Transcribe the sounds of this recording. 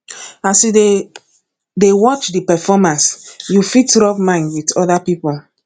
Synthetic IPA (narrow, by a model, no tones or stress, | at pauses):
aside | dewɔt͡ʃdipɛfɔmãnsjufitɹɔpmãɪ̃nwitɔdapipɔl